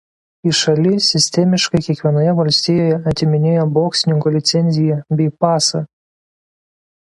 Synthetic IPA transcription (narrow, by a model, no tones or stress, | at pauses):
iʃɐlʲɪsʲɪsʲt̪ʲɛmʲɪʃkɐɪkʲiɛkʋʲiɛnoːjɛʋɐlʲsʲt̪ʲijoːjɛɐt̪ʲɪmʲɪnʲeːjoboːksʲɪnʲɪŋkɔlʲɪt̪sʲɛnʲzʲɪjɛbʲɛɪpɑːsɐ